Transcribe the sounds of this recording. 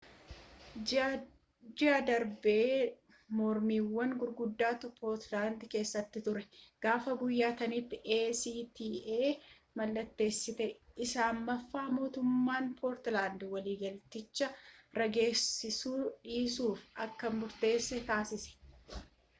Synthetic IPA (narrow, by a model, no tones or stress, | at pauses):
d͡ʒɪɐd̪ɐɾbeː | mɔɾmiːwːɐŋɡʊɾɡʊd̪ːaːt̪ʊpoːɾt̪laːnd̪ke̞ːsːɐt̪ːɪt̪ʊɾɛɡ̥aːfɐɡʊjːaːt̪ɐnɪt̪ːɪʔe̞ːsiːt̪iːʔeː | mɐlːɐt̪ːe̞ːsːɪt̪ɛɪsaːmːɐfːaːmo̞ːt̪ʊmːaːnpʰoːɾt̪laːnd̪wɐliːɡɐlt̪ɪt͡ʃːɐɾɐɡe̞ːsːɪsuːᶑiːsuːfɐkːɐmʊɾt̪e̞ːsːɛt̪aːsɪsɛ̥